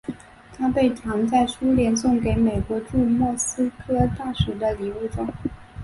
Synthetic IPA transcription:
t̪ʰa˥pe˥˩ɪt̪ʰɑ˧˥ŋt͡sa˥˩ɪʂu˥ljɛ˧˥nsʊ˥˩ŋke˧˥ɪme˨˩ɪkwɔ˧˥ʈ͡ʂu˥˧mwɔ˥˩sɹ̩˥kʰɤ˥t̪a˥˩ʂu˨˩d̪ə˧li˧˥lu˥˩ʈ͡ʂʊ˥˩ŋ

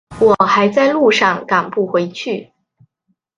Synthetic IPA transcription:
wɔ˨˩xa˧˥ɪt͡sa˥˧ɪlu˥˧ʂɑ˥˩ŋka˨˩ŋpu˥˩xwe˧˥ɪt͡ɕʰy˥˩

